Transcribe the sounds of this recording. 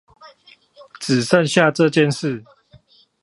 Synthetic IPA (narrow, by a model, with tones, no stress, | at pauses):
t͡sɹ̩˨˩ʂə˥˨nɕja˥˨ʈ͡ʂə˥˨t͡ɕjɛ˥˨nʂɻ̩˥˨